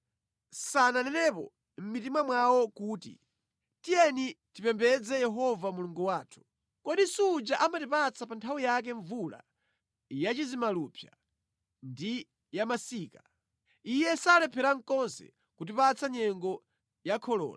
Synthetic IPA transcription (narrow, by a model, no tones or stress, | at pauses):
sananɛnɛpɔ̰ | m̩mitimwamwawɔkuːtḭ | tijɛnitipɛmbɛd͡zɛjɛɦɔvamuluŋɡuwaːtʰu̥ | kɔɗisuud͡ʒaʔamatipat͡sʰapantʰawijak̬ɛɱvula̰ | jat͡ʃizimalupʰja | ndi | jamasiːka | ijɛsalɛpʰɛɾaŋ̩kɔnsɛ̰ | kut̬ipat͡sʰaɲɛŋɡɔ | jakʰɔlɔ̰ːla